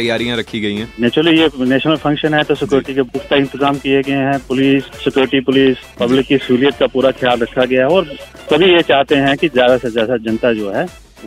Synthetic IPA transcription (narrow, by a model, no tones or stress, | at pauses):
t̪ɐjaːɾijãɾɐkʰːiɡɐiɦɛ̃neːt͡ʃɾəlijeneːʃnəlfʰɐ̃ŋkʃənɦɛt̪osɪkjoːɾɪʈikebʊkt̪aɪ̃nt̪ɪzaːmkieɡɐeɦɛ̃pʊliːsːɪkjoːɾɪʈipʊliːspɐblɪkːisuːlijət̪̚kapuːɾaxjaːlɾɐkʰːaɡɐjaɦɛɔːɾ | sɐbʱijet͡ʃaːɦt̪eɦɛ̃kizjaːd̪asezjaːd̪ad͡ʒɐ̃nt̪ad͡ʒoːɦɛː | o